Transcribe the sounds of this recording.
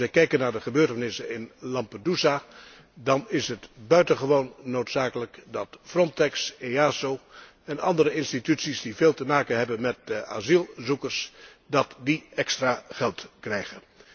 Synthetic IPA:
ʋɛjkɛjkənːaːɹdəχəbøːɹtənɪsənɪnlɑmpədusa | dɑnɪsɦətbœɥtənχəʋownːowtsaːkələkdɑtfrɔntɛkseaːsow | ɛnɑ̰ndəɾəɪnstitytsisdiveːlˠtəmaːkənɦɛbənmɛt̚a̰ːzilˠzukərs | dɑtdiɛkstraːχɛlˠtkrɛjχən

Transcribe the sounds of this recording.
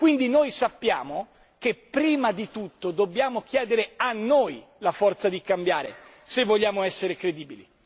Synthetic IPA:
kwind̪inoːjsapːjaːmo | kepːɾiːmad̪it̪ut̪ːod̪obːjaːmok̟jɛːd̪eɾeanːoːjlafɔrt̪sad̪ikambjaːɾḛ | sevːoʎːaːmoɛsːeɾekɾed̪iːbilḭ

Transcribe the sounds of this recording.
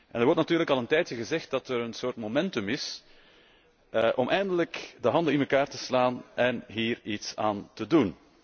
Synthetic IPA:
ʔɛnərwɔrtnɑtyːɾləkɑlˠəntɛːjtjəɣəzɛxt̚dɑtəɾənsoːrtmomɛntɵmɪs | ʔɔmʔɛːjndələkdəɦɑndəɪnməkaːrtəslaːnʔɛnɦiːritsaːntədun

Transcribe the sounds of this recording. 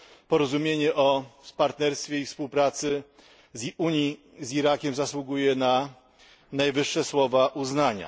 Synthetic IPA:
pɔɾɔzumʲjeɲɛʔɔpaɾt̪nɛɾst̪fʲjeifspuwpɾat̪sɘ | ziuɲi | ziɾakʲɛmzaswuɡujɛna | najvɘʂːɛswɔvaʔuznaɲa̰

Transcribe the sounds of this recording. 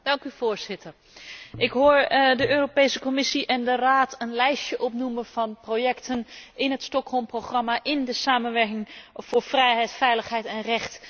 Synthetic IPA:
d̥ɑŋkyv̥oːɹz̥ɪtəɹ | ʔɪkɦoːɹdəʔøːropejsəkomɪsiʔɛndəraːtənlɛjsjəʔɔpnuməv̥ɑnprojɛktʰənɪnɦətstɔkɦɔlˠmproχrɑmaʔɪndəsaːmənʋɛɹkɪŋv̥ʊːɹfrɛjɦɛjtfɛjləχɦɛjtɛnrɛχt

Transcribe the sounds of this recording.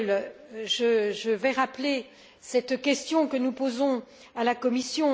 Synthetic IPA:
lʒəʒəvɛʁaple | sɛt̪kʲɛst̪jɔ̃kənupozɔ̃ | alakɔmisjɔ̃

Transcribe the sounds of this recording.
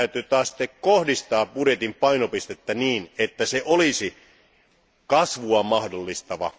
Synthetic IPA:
yt̪yt̪ɑːssi̥t̪ːekkohdist̪ɑːpuɾet̪impɑinopist̪et̪ːæniːnet̪ːæseʔolisi | kɑsʋuɑmɑhdolːist̪ɑʋɑ̰

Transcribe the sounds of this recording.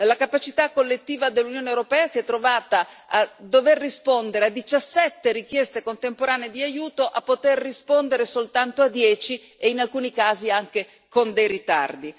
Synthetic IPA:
lakapat͡ʃit̪akːolːet̪ːiːvad̪elːunjoːnewɾopɛːasiɛt̪ːɾovaːt̪aː | d̪overːispond̪eɾead̪ːit͡ʃasːɛt̪ːeɾik̟jɛst̪ekont̪empoɾaːneed̪iajuːt̪oʔapːot̪erːispond̪eɾesolt̪ant̪oad̪ːjɛːt͡ʃi | einalkuːnikaːziaŋke | kond̪ejrit̪a̰rd̪i

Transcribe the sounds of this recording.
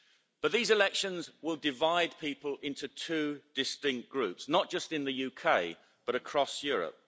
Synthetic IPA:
b̥ʌʔ̪̚ðiːzɪlɛkʃə̃nzwɪlˠdɪvaɪd̚pʰiˑpəlɪ̃ntutʰʉːd̥ɪstɪ̃ŋk̚ɡ̥ɹʉˑpsnəʔ̚d̥ʒ̥ʌstɪ̃nðəjʉːkʰeɪ | b̥ʌɾəkʰɹ̥ɒsjɔːɹə̰p̚

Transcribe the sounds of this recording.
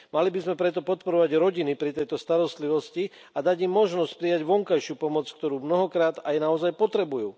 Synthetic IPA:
malibizmɛpɾɛt̪ɔpɔt̪̚pɔɾɔʋaɟɾɔɟinipɾit̪ɛjt̪ɔst̪aɾɔst̪liʋɔsci | ad̪aɟimːɔʒnɔscpɾijaɟʋɔŋkajʃɪuːpɔmɔt͡skt̪ɔɾuːmnɔɦɔkɾaːd̪ajnaɔzajpɔt̪ɾɛbujuː

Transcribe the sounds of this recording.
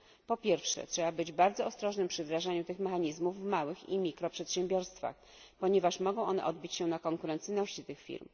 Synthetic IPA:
pɔpʲjɛɾfʂɛ̰tʂɛbabɘd͡ʑbaɾd̪zɔɔst̪ɾɔʐnɘmpʂɘvd̪ɾaʐaɲut̪ɘxmɛxaɲizmuvːmawɘxḭmʲikɾɔpʂɛt̪ɕɛ̃mbʲjɔɾst̪fa̰x | pɔɲɛvaʂmɔɡɔ̃w̃ʔɔnɛ̰ʔɔd̪̚bʲit͡ɕɕɛnakɔŋkuɾɛnt̪sɘjnɔɕt͡ɕit̪ɘxfʲḭɾm

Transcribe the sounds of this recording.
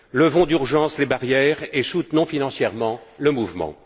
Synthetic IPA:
ləvɔ̃d̪yʁʒɑ̃slebaʁjɛːʁesut̪nɔ̃finɑ̃sjɛʁmɑ̃ləmuvmɑ̰̃

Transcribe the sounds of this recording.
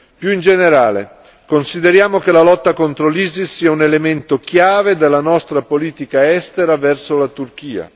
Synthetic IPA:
pjuind͡ʒeneɾaːlḛ | konsid̪eɾjaːmokelalɔt̪ːakont̪ɾoliːzisːiːaunelement̪okjaːved̪elːanɔst̪ɾapoliːt̪ikaɛst̪eɾavɛrsolat̪urk̟iːa̰

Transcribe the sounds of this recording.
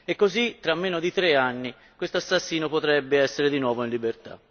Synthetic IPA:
ekːozit̪ːɾamːeːnod̪it̪ɾeanːi | kwest̪oasːasːiːnopot̪ɾɛbːeɛsːeɾed̪inwɔːvoinlibert̪a̰

